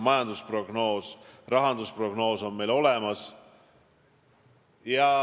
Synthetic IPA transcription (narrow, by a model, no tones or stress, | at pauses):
mɑjɑnd̪uspro̞ɡ̥no̞ːsrɑɦɑnd̪̥uspro̞ɡ̥no̞ːso̞nme̞jlo̞le̞mɑs | jɑ